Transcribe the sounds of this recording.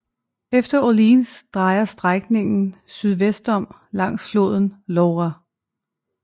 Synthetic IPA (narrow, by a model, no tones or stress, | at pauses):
efd̥ɐolinsd̥ʁɑ̈ɪɐsd̥ʁaɡ̥ne̝ŋn̩syð̞ˠʋesd̥ɒ̽m̰ | lɑ̈ŋ̰slo̝ð̞̰ˠn̩lɒʊʁa